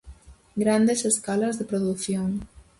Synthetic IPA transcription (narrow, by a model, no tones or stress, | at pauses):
ɡɾand̪eseskalazðəpɾoðuθjoŋ